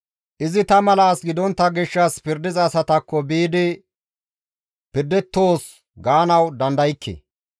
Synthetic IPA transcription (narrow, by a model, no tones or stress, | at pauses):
ʔɪzɪt̪ɐmɐlaːsɡɪd̪ɔnt̪ːɐɡɪʃːɐspɪɾd̪ɪzːsɐt̪ɐkːɔbiːd̪ɪ | pɪɾd̪ɛt̪ːo̞ːs | ɡaːnɐwd̪ɐnd̪ɐjɪkʰːḛ